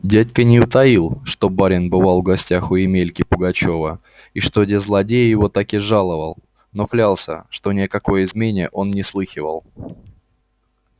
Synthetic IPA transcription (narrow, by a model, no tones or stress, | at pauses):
dʲætʲkənʲɪʊt̪ɐilˠʂt̪o̞baɾʲɪnbɨvalˠvɡɐsʲtʲaxʊɪmʲelʲkʲɪpʊɡɐt͡ɕo̞və | iʂt̪o̞dʲɪzlˠɐdʲejɪjɪvo̞t̪akɪʐalˠəvəlˠ | no̞klʲalˠsʲə̰ʂt̪o̞nʲɪəkɐko̞jəɪzmʲenʲɪjəʔo̞nnʲɪslˠɨxʲɪvə̰lˠ